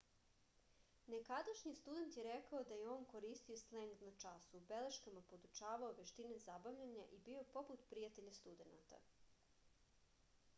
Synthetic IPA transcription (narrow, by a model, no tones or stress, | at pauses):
ne̞kad̪aʃɲist̪ud̪e̞nt̪jeɾekaod̪ajeoːnko̞ɾiːst̪iosleŋɡ̪nat͡ʃasuːbeleʃkamapo̞d̪ut͡ʃaːʋaoʋeʃt̪inezabaʋʎaɲaʔibio̞po̞put̪pɾijat̪e̞ʎast̪ud̪e̞nat̪a̰